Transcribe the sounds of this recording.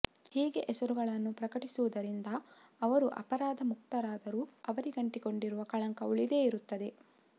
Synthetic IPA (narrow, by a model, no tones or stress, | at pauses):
hiːɡe̞ʔesɐɾuɡɐɭɐnːupɾɐkɐʈisuʋud̪ɐɾind̪ɐː | ʋɐɾuʔɐ̰pɐɾaːd̪ɐmukt̪ɐɾaːd̪ɐɾuːɐʋɐɾiɡɐɳʈiko̞ɳɖiɾuʋɐkɐɭɐŋkɐuɭid̪e̞ːiɾut̪ːɐd̪e̞